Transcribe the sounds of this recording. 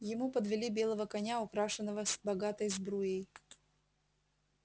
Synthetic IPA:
jɪmupəd̪vʲɪlʲibʲe̞lˠəvəkɐnʲaʊkɾaʂɨnːəvəsbɐɡat̪əjzbɾujej

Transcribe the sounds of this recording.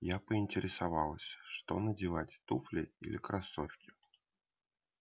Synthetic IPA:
japəɪnʲtʲɪɾʲɪsavɑlˠəsʲʂt̪o̞nədʲɪvatʲt̪uflʲɪḭlʲɪkɾʔɐsofʲkʲɪ̥

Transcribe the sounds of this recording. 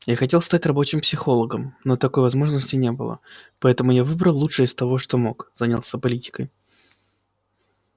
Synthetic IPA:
jaxɐtʲelˠst̪atʲrɐbo̞t͡ɕɪmpsʲɪxo̞lˠəɡəmno̞t̪ɐko̞jvɐzmo̞ʐnəsʲtʲɪnʲe̞bɨ̰lˠə̰pɐɛt̪əmʊjavɨbɾəlˠːuʂɨɪst̪ɐvo̞ʂt̪o̞mo̞kzanʲalˠsʲəpɐlʲitʲɪ̥kəj

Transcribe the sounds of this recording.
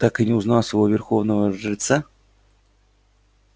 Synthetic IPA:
t̪akɨnʲɪʊznasəvovʲɪrxovnəvəʐɨt̪sa

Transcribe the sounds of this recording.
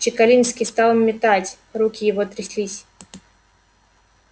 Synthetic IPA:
t͡ɕɪkɐlʲinsʲkʲɪst̪alˠmʲːɪt̪atʲ | ɾukʲɪjɪvot̪ɾʲɪsʲlʲisʲ

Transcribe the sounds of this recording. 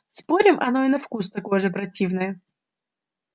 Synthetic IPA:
spo̞ɾʲɪmʔɐ̰no̞ɪnɐfkust̪ɐko̞jʐɨpɾɐtʲivnəjə

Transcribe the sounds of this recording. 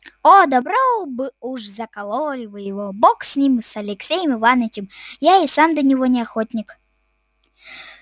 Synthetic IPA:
od̪ɐbɾobɨuʐzɐkɐlˠolʲɪvɨjɪvoboksʲnʲimɨsɐlʲɪksʲejəmɨvanɪt͡ɕʲɪmjaisamd̪ənʲɪvonʲɪɐxot̪ʲnʲɪk

